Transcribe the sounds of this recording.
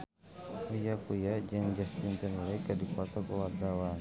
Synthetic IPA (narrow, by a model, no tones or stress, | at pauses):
kujakujad͡ʒaŋd͡ʒask̪int̪ənlakadikuat̪ɔkəwart̪awan